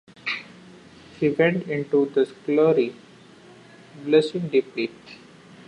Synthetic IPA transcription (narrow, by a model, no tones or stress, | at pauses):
hiʋɛ̃ɳʈɪ̃ɳʈud̪əskloːɾi | blesɪ̃ŋɖipliː